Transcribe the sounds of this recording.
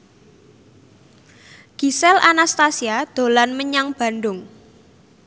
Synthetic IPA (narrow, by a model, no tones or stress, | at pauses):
ɡ̥i̤sɛlʔanast̪asiad̪̥o̤lanməɲaŋb̥a̤nɖʊŋ